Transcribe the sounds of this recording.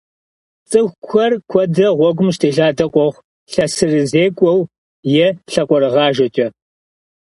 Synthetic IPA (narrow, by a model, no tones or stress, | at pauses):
t͡sʼɨxʷkʷɐrkʷʰɔdɐʁʷɔɡʷʊmʃtʰeːɬaːdɐqʷʼɔʁʷ | ɬɐsɨrɨzeːkʷʼɔw | jɛɬɐkʷʼɔɾɨʁɑːʒɐt͡ʃʼɐ